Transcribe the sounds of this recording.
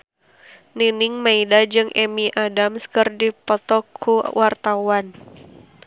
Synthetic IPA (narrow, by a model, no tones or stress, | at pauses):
niniŋmaidad͡ʒɨŋʔɛmiʔadamskɨrdipɔt̪ɔkʰːuwart̪awan